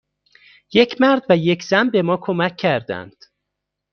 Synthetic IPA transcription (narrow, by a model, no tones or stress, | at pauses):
je̞cʰmæɾd̪væje̞cʰz̥ænbe̞mɒːkʰomæcʰːæɾd̪æ̰nd̪̥